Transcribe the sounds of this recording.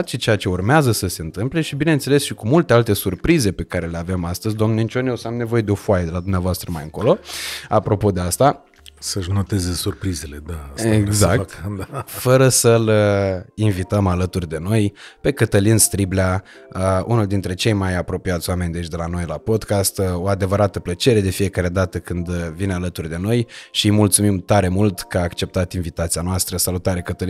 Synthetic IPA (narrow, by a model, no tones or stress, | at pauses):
at͡ʃet͡ʃe̞jat͡ʃe̞urmeazəsəse̞ɨnt̪ɨmple̞ʃibine̞nt̪se̞le̞sʃikumult̪ealt̪e̞surpɾize̞pe̞kaɾe̞le̞ave̞mast̪əzʲd̪oamnent͡ʃo̞nsamne̞vo̞je̞d̪eo̞foajed̪elad̪umneavoast̪ɾəmajɨŋko̞lo̞apɾo̞po̞d̪e̞ast̪a | səʃnot̪e̞zesurpɾizele̞d̪aeɡzzakt̪fəɾəsələinvit̪əmalət̪urʲd̪e̞no̞jpe̞kət̪əlinst̪ɾibla | əunuld̪int̪ɾe̞t͡ʃe̞jmajapɾo̞piat̪sʲowame̞nʲd̪et͡ʃd̪e̞lano̞jlapo̞d̪kast̪o̞ad̪e̞vəɾat̪əplət͡ʃe̞ɾe̞d̪e̞fije̞kaɾe̞d̪at̪əkɨnd̪vinealət̪urʲd̪e̞no̞jʃimult̪sumimt̪aɾe̞mult̪kəaːkt͡ʃe̞p̚t̪at̪invit̪at̪sianoast̪ɾəsalut̪aɾe̞kət̪əli